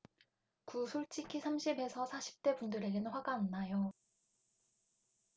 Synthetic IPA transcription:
kusʰoɭt͡ɕ͈ikʰisʰamɕʰibe̞sʰʌsʰaɕʰi̥p̚t͈e̞bundɯɾe̞ɡenɯnɸwaɡaɯnnːajo

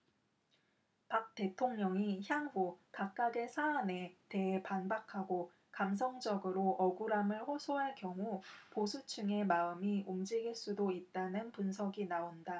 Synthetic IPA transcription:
pak̚t͈e̞tʰoŋɲʌŋiçjaŋɸukak̚k͈aɡe̞sʰaːne̞te̞ːpanbakʰaɡo | kams̬ʰʌŋd͡ʑʌɡɯɾoʔʌɡuɾamɯɭɸosʰoɦaɭkjʌŋuposʰut͡ɕʰuŋe̞maɯmiumd͡ʑiɡiɭs͈udoit̚t͈anɯnpunsʰʌɡinaonda

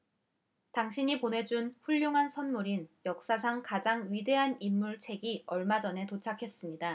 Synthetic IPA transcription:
taŋɕʰiɲiponɦe̞d͡ʑunɸuʎːoŋɦansʰʌnmuɾinjʌk̚s͈as̬ʰaŋkad͡ʑaŋɥide̞ɦanimːuɭt͡ɕʰe̞ɡiʌɭmad͡ʑʌnɦe̞tot͡ɕʰakʰe̞s͈ɯmɲida

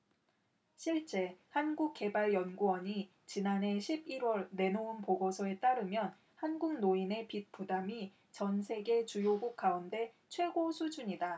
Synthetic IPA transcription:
ɕʰiɭt͡ɕ͈e̞hanɡuk̚k͈e̞baɭjʌnɡuwʌɲi | t͡ɕinanɦe̞ɕʰibiɾwʌɭne̞nounpoɡosʰʌe̞t͈aɾɯmjʌn | hanɡuŋnoine̞pit̚p͈udami | t͡ɕʌnsʰe̞ɡe̞t͡ɕujoɡuk̚k͈aunde̞t͡ɕʰwe̞ɡosʰud͡ʑuɲida

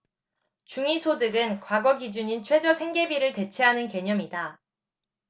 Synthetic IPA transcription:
t͡ɕuŋisʰodɯɡɯnkwaɡʌɡid͡ʑuɲint͡ɕʰwe̞d͡ʑʌsʰe̞ŋɡe̞biɾɯɭte̞t͡ɕʰe̞ɦanɯnke̞ɲʌmida

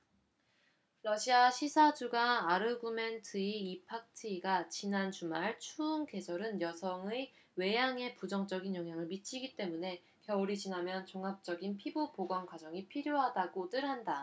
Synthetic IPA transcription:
ɾʌɕʰiaɕʰisʰad͡ʑuɡaːɾɯɡume̞ntʰɯiipʰak̚tʰiɡat͡ɕinant͡ɕumaɭt͡ɕʰuːnke̞sʰʌɾɯnjʌsʰʌŋɯ | we̞jaŋe̞pud͡ʑʌŋt͡ɕ͈ʌɡinjʌŋɦjaŋɯɭmit͡ɕʰiɡit͈e̞mune̞ | kjʌuɾit͡ɕinamjʌnt͡ɕoŋɦap̚t͡ɕ͈ʌɡinpʰibupoɡwʌnkwad͡ʑʌŋipʰiɾjoɦadaɡotɯɾɦanda

